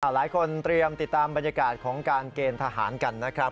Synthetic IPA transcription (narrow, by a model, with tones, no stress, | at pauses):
aː˧˩laː˩˦jkʰo˧nt̪ɾi˧əmt̪i˨˩t̪ːaː˧mba˧nja˧kaː˨˩t̪̚kʰɔː˩˦ŋkaː˧nkeː˧nt̪ʰa˧ɦa̰ː˩˦nka˧nːa˦˥kʰɾa˦˥p̚